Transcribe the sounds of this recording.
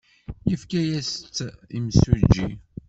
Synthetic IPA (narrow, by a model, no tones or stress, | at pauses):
jəfkæjæst̪ːḭmsud͡ʒːi